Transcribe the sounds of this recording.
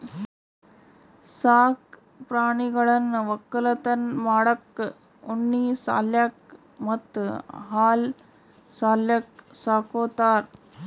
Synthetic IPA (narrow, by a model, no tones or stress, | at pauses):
saːk | pɾaːɳiɡɐɭɐnʋɐkːɐlɐt̪ɐnmaːɽɐkː | oɳːiːsa̰ːljaːk | mɐt̪ːɦaːl | saːljɐk̚saːkoːt̪aːɾ